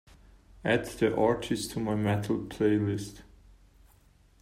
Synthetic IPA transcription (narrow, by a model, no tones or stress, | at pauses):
æd̪ðiʔɑɹtʰɪstʰːumaɪmɛtʰl̩ˠpʰl̥eɪlɪst